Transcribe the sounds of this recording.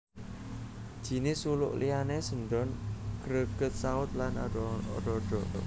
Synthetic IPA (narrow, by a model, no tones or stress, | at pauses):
d̥ʒ̥i̤nɪsulʊ̰ʔlijanesəɳɖɔnɡ̥ɾəɡ̥ət̪̚saʊt̪̚lanaɔɔɖɔɖ̥ɔ